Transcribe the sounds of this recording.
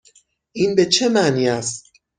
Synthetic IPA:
ʔiːnbe̞t͡ʃʰe̞mæʔniːæst̪

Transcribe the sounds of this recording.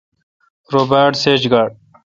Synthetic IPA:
ɾoːbaːʈseːd͡ʑɡaːɖ̚

